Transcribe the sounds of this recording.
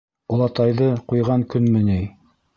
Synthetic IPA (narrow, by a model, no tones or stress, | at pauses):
ulˠɑt̪ɑjðɤqujʁɑŋkɵnmɘ̆nij